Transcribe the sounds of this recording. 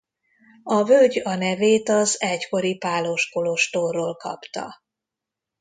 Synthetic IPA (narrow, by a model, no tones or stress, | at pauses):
ɒvølɟɒnɛveːt̪ɒzɛcko̞ɾipaːloʃkoloʃt̪oːrːoːlkɒ̰pt̪ɒ̰